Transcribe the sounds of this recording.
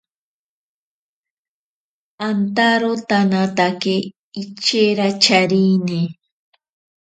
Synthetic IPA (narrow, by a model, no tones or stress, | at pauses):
ant̪aɾot̪anat̪akeː | t͡ʃeɾat͡ʃaɾini